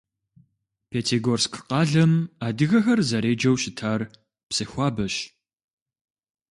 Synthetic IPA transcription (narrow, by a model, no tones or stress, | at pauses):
pʰeːtʰeɡoːrskʰqɑːɮɐmaːdɨɣɐxɐrzɐɾeːd͡ʒɐwɕɪtʰaːr | psɐxʷɑːbɐɕ